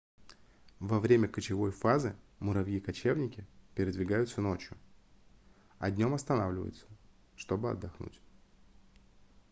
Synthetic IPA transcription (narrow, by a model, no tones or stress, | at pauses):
vɐvɾʲemʲəkət͡ɕɪvo̞jfazɨ | mʊɾɐvjikɐt͡ɕe̞vnʲɪkʲɪpʲɪɾʲɪd̪vʲɪɡajʊt̪səno̞t͡ɕjʊ | ɐ̰d̪ʲnʲo̞mɐst̪ɐnavlʲɪvə̰jɪ̰t̪sə̥ | ʂt̪o̞bɨɐ̰d̪ːɐxnṵtʲ